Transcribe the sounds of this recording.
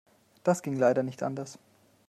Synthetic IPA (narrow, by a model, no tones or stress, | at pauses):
d̥asɡ̥ɪŋlaɪɾɐnɪçtʔa̰ndɐs